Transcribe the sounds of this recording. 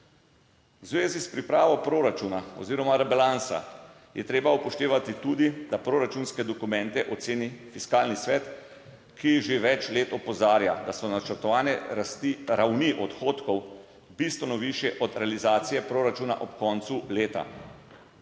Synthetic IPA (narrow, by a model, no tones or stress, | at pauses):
wzʋeːzispɾipɾaːʋɔpɾoɾat͡ʃunaɔ̰ziːɾɔmaɾɛbalansa̰ | jɛt̪ɾeːbaupɔʃt̪eːʋat̪it̪uːd̪id̪apɾoːɾat͡ʃunskɛd̪ɔkumɛ̃nt̪ɛʔɔt̪seːnifiskaːlnisʋɛːt̪ | kiiʒeʋɛt͡ʃleːt̪ɔpɔzaːɾjad̪asɔnat͡ʃɛɾt̪ɔʋaːnɛat̪iɾawniʔɔt̪xoːt̪kɔw | bist̪ʋɛnɔʋiʃjɛʔɔd̪ɾɛalizaːt̪sijɛpɾoːɾat͡ʃuːna̰ʔɔpkɔːnt̪suleːt̪a̰